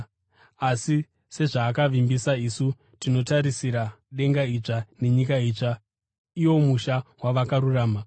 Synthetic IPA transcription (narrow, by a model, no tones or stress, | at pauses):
asi | se̞ʐaːkaʋimbisaisu | tino̞taɾisiɾa | ɗe̞ŋɡait͡ʂane̞ɲikait͡ʂa | iwo̞muʃawaʋakaɾuraːma